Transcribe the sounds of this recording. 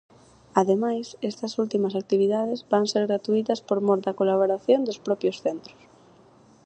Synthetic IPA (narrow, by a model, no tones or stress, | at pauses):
aðemajsest̪ɐsult̪imɐsak̚t̪iβ̞iðað̞ɪzβaŋseɾɣɾat̪uit̪ɐspoɾmoɾd̪ɐkolaβ̞oɾaθjond̪ospɾɔpjosθent̪ɾʊ̥s